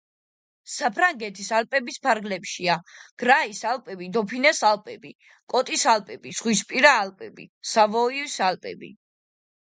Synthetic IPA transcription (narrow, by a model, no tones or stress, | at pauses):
sapʰɾaŋɡɛt̪ʰisalpʼɛbispʰaɾɡlɛpʃiaɡ̥ɾaisalˠpʼɛbid̪ɔpʰinɛsalpʼɛbi | kʼɔt̪ʼisalpʼɛbiz̥ʁwispʼiɾaːlpʼɛbḭsavɔiisalpʼɛ̰bḭ